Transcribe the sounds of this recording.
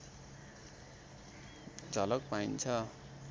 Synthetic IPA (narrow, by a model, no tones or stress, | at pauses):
d͡zʱʌlʌk̚paint͡sʰʌ